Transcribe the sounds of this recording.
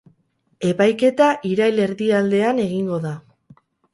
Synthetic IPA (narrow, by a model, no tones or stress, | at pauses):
e̞pajke̞t̪aʔiɾajle̞ɾðiald̪e̞ane̞ɣiŋɡo̞ða